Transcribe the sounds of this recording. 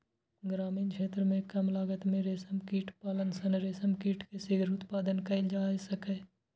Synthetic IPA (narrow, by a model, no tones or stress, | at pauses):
ɡɾaːmiːnkʰeːt̪ɾəmẽkɐmlaːɡət̪mẽɾeːsəmkiːʈpaːlənsənɾeːsəmkiːʈkesɪɡɾʊt̪paːd̪ənkɐɪld͡ʒaːsəke